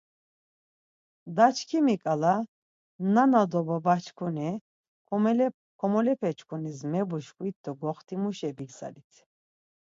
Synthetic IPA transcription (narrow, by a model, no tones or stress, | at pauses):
d̪at͡ʃʰkʰimikʼala | nanad̪ɔbabat͡ʃʰkʰunɛ | l | kʰɔmɔlɛpʰɛt͡ʃʰkʰunismɛbuʃkuit̪̚d̪ɔɡɔχt̪ʰimuʃɛbiksa̰lit̪ʰ